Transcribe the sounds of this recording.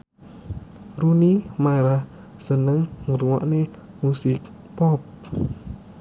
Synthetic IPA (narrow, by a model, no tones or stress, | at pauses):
runimaɾah | sənəŋŋɾuŋɔ̰ʔne | musɪk̚ | pɔp̚